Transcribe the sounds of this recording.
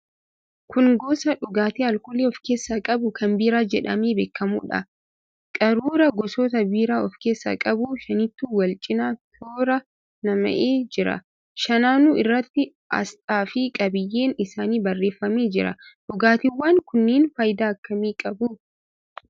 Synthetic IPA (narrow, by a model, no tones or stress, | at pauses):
kʊŋɡoːsɐᶑʊɡaːt̪iːɐlkɔleːɔfke̞ːsːakʼɐbʊkɐmbiːɾaːd͡ʒɛᶑɐ̰meːbeːkːɐmṵːᶑɐ̰ | kʼɐɾuːɾɐɡɔsoːt̪ɐbiːɾaːɔfke̞ːsːɐ̰kʼɐbuʃɐnɪt̪ːuːwɐlt͡ʃʼɪnaːt̪ʰoːɾɐ | nɐmɐ̰ʔeːd͡ʒɪɾɐ̰ | ʃɐnaːnuːɪrːɐt̪ːɪ | ʔɐ̰st̪ʼaːfɪkʼɐbɪjːe̞ːnɪsaːniːbɐrːe̞ːfːɐmeːd͡ʒɪɾɐ̰ᶑʊɡaːt̪ɪwːaːŋkʊnːeːnfɐjd̪aːɐkːɐmiːkʼɐbʊ